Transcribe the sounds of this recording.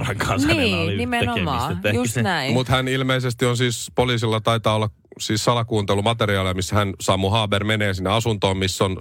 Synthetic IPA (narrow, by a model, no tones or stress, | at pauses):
rɑŋkʰɑ̃nsnæiːolinimeenomɑsːet̪ehjunæimut̪hænilmeisest̪ionsiːspoliːsilːɑt̪ɑit̪ɑːolːɑk | siːssɑlɑkuːnt̪elumɑt̪eɾiɑːliɑmisːhænsɑːmːuhɑːbermeneːsinːeɑsunt̪oːmmisːon